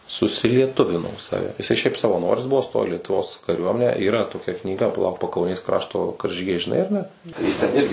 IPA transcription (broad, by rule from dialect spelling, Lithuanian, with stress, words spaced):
sʊsʲɪlʲiɛˈtʊʋʲɪnoː ˈsɑːʋʲɛ jɪˈsɐɪ ˈʃʲɛɪp sɐʋɐˈnoːrʲɪs ˈbʊʋoː ˈstoːjoː iː lʲiɛtʊˈʋoːs kɐˈrʲuɔmʲɛnʲæː iːˈrɐ toːˈkʲɛ knʲiːˈɡɐ pɐˈlˠɐʊk pɐkɐʊˈnʲeːs ˈkrɑːʃtoː kɐrʲʒʲiːˈɡʲɛɪ ʒʲɪˈnɐɪ ɐr ˈnʲɛ ˈjɪs tʲɛn ˈɪrʲɡʲɪ